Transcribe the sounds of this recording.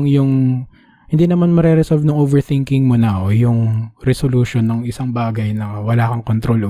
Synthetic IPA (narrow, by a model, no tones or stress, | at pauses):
ŋjʊŋ | hɪnd̪iːnɐmanmɐɾɛɾɛsɔlvnɐŋʔovɛɹθɪŋkɪŋmonɐojʊŋɾɛsoluʃonːɐŋɪsaŋbaːɡɐjnɐwɐlaːkɐŋkont̪ɾo̞lʔo